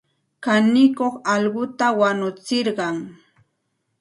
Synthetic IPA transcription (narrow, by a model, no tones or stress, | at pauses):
kanɪkoχɑʎɢʊt̪awanʊt͡sɪɾɢɑŋ